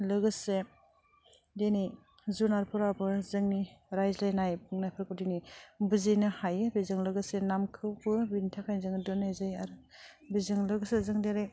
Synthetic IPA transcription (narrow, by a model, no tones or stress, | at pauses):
lɯɡɯse | denij | zunaɾpʰuɾabɯzɯŋniɾajzlajnajbuŋnajpʰaɾkɯdinibɯzinɯhajɯbizɯŋlɯɡɯsenamkʰɯwbɯbintʰakʰajzɯŋdɯnajzɯjaɾɯ | bizɯŋlɯɡɯsezɯŋdeɾe